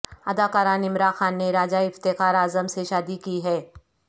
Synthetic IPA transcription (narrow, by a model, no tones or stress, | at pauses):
ɐd̪aːkaːɾaːnɪmɾaːnxaːnːeɾaːd͡ʒaɪft̪ɪkaːɾaːzəmseʃaːd̪ikiɦɛː